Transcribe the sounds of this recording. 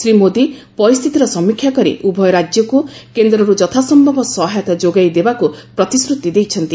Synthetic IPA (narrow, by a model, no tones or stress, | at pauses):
sɾimod̪ipɔɾist̪ʰit̪iɾɔsɔmikʰːjakɔɾḭʔubʱɔjɔɾad͡ʒjɔkukend̪ɾɔɾud͡ʒɔt̪ʰasɔmːɔbɔsɔɦajɔt̪ɔd͡ʒoɡajd̪ebakupɾɔt̪isɾut̪id̪ejt͡ʃʰɔnt̪i